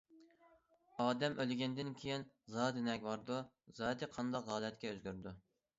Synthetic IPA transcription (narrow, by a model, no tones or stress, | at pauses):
ɑːd̪ɛmʔølɡʲɛnd̪ɪnkʲʰejin | zɑːd̪ɪnɛkʲbɑɾd̪u | zɑːd̪ɨqʰɑnd̪ɑqʁɑːlɛt̪kʲɛøzɡʲyɾd̪u